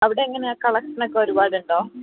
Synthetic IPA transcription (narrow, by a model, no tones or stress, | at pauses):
ɐʋiɽe̞iŋːɐneaːkɐɭɐkʂɐnokːeoɾubaːɽuɳɖoː